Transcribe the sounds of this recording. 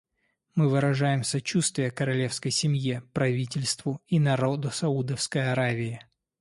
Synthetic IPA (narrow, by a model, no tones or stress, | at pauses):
mɨvɨɾɐʐajɪmsɐt͡ɕust̪vʲɪjəkəɾɐlʲe̞fskəjsʲɪmjepɾɐvʲitʲɪlʲst̪vʊinɐɾo̞d̪ʊsɐud̪əfskəjɐɾavʲɪɪ